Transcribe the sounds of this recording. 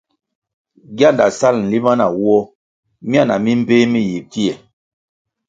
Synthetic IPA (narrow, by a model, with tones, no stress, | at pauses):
ɡja˦˨nda˨sa˦˨ln̩˨li˦ma˦na˨wɔ˦ | m˦a˦˨na˨mi˦m̩˦pe˦mi˦ji˨ti˦ɛ˨